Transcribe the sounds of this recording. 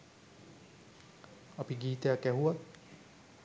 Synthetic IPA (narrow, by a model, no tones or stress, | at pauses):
ɐpiɡiːt̪əjakæɦuʋat̪